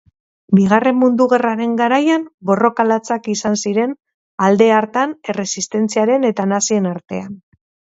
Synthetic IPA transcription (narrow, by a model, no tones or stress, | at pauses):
biɣ̞are̞mːund̪uɣe̞raɾe̞ŋɡaɾajambo̞ro̞kalat͡sakisansiɾe̞n | ald̪e̞aɾt̪ane̞re̞sist̪e̞nt͡siaɾe̞ne̞t̪anasie̞naɾt̪e̞an